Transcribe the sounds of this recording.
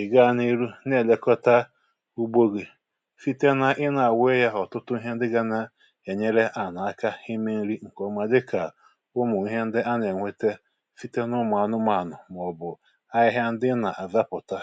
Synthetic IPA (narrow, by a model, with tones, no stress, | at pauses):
ɪ˨ɡa˦˨ni˦ɾu˦ne˦˨le˨kɔ˦ta˦ | u˦ɡ͡bo˦ɡe˨ | fi˦te˦na˦ʔɪ˦na˨we˦ja˦ɦɔ˨tʊ˦tʊ˦i˦ɦe˦n̩˦dɪ˦ɡa˦na˦ | e˨ɲe˦ɾe˦ʔa˨na˨a˦ka˦hi˦me˦n̩˦ɾi˦ŋ̩˨kɔ˨ma˨dɪ˦kʰa˨ | ʊ˦mʊ˨i˦ɦe˦n̩˦dɪ˦ʔa˦ne˨ŋʷe˦te˦ | fi˦te˦nʊ˦m˨a˨nʊ˦ma˨nʊ˨m˨ɔ˨bʊ˨ | a˦ɪ˦ɦja˦n̩˦dɪ˦na˨ʔa˨va˦pʊ˨ta˦